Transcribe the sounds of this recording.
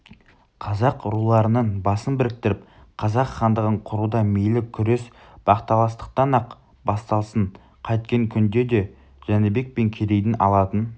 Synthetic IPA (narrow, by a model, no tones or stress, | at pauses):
qʰɑzɑqɾulˠɑɾənəɴbɑsənbɪɾɪk̚t̪ɪɾɪp | qʰɑzɑqχɑnd̪əʁəɴqʰʊɾud̪ɑmejlɪkʲʰʏɾe̞s | b̥ɑqt̪ɑlˠɑst̪ə̥q̚t̪ɑnɑq | bɑst̪ɑlˠsəɴ | qʰɑjt̪̚kʲeŋkʲʰʏnd̪e̞d̪e̞ | ʒ̥ænɪbe̞k̚pe̞ŋkʲʰeɾe̞jd̪ɪnʔɑ̰lˠɑt̪ən